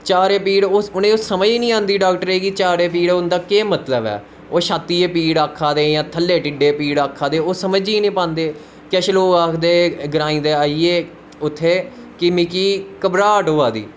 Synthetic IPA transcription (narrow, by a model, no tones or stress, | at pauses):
t͡ʃaːɾeːpiːɽoːʊnẽːosəməd͡ʒiːnĩːãːnd̪iːɖaːkʈəɾeːɡiːt͡ʃaːɾeːpiːɽːʊnd̪aːkeːmət̪ləbɛ̰ː | oːʃaːt̪ːiːeːpiːɽaːkʰːaːd̪eːjãːt̪ʰəlːeːʈɪɖeːpiːɽaːkʰːaːd̪eːoːsəməd͡ʒiːnĩːpãːnd̪eː | kɛʃloːɡaːkʰd̪eːɡɾãːĩːd̪eːaːiːeː | ʊt̪ʰːeː | kɪmɪkiːkəbɾaːʈɦoːaːd̪ḭː